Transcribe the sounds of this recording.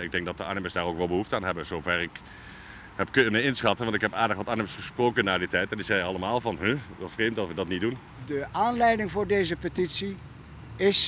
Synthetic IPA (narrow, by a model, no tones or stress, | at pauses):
ɪɡ̚dɛŋk̚dɑt̚dəa̰ːnɪməsdaːrowkʋɛlˠbəɦuftəaːnɦɛbənz̥owvɛrɪk | ɦɛpkɵnəɪnsχɑtənʋɑntɪkɦɛpaːdəχʋɑtaːnɪməsχəsproːkənːaːditɛjtɛnɪksɛjɑlˠəmaːlˠvɑnɦøʋɑtfrejmtɑtʋədɑtnidun | dəʔaːnlɛjdɪŋvʊːɹdejzəpətitsi | ɪs